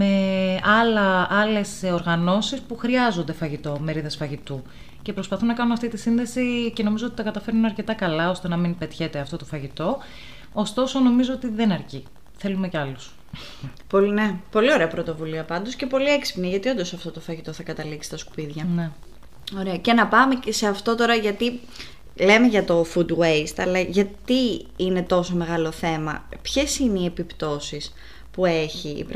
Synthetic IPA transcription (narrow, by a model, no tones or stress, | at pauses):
me̞ɐlɐʔɐle̞soɾɣɐno̞sispuxɾiɐzo̞nd̪e̞fɐʝit̪o̞me̞ɾiðɐsfɐʝit̪u | ce̞pɾo̞spɐθunɐkɐnunɐft̪it̪isinðe̞sice̞no̞mizoot̪i̥t̪ɐkɐt̪ɐfeɾnunɐɾce̞t̪ɐkɐlɐo̞st̪e̞nɐminpet̪çet̪eɐft̪o̞t̪o̞fɐʝit̪o̞ | ost̪o̞so̞no̞mizoot̪iðe̞nɐɾci | θe̞lume̞ceɐlus | ponepo̞lio̞ɾe̞ɐpɾo̞t̪o̞vuliɐpɐnd̪osce̞po̞lie̞ksi̥pniʝɐt̪io̞nd̪o̞sɐft̪o̞t̪o̞fɐʝit̪o̞θɐkɐt̪ɐliksi̥t̪ɐsku̥piðʝɐne | o̞ɾeɐce̞nɐpɐme̞cese̞ɐft̪o̞t̪o̞ɾɐʝɐt̪i | le̞me̞ʝɐt̪o̞fut̪we̞jst̪ɐlɐʝɐt̪iine̞t̪o̞so̞me̞ɣɐlo̞θe̞mɐpçe̞sineie̞pipt̪o̞sis | pue̞çḭːp